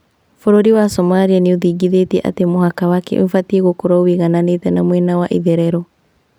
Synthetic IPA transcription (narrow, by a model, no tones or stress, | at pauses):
foɾoɾiwasɔmaɾianeoðiːɡiðetiɛʔa̰temoɦakawakɛ̰ʔo̰ɱfatieɣokoɾaoweɣananetɛnamwɛnawaʔiðɛɾɛɾɔ